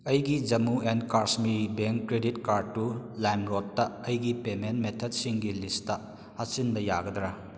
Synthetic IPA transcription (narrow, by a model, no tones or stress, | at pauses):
ɐjɡid͡ʒɐmuenkaɾsmibeŋkkːɾeditkaɾd̚tulajmɾotːɐɐjɡipementmetʰɐd̚siŋɡilistɐ | hasinbɐjaɡɐd̪ɾɐ